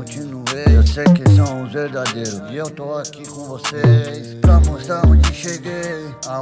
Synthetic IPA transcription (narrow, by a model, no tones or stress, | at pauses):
õt͡ʃinueewsejkɪsɐ̃w̃ʊ̃zveɾd̪ad̪ejɾʊzɪewt̪oakikõvosespɾamost̪ɾaõd͡ʒɪʃeɡe | a